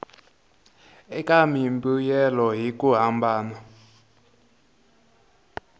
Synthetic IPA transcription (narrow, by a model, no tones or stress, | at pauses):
ɛkʼamimbujɛlɔɦikʼuɦambaːna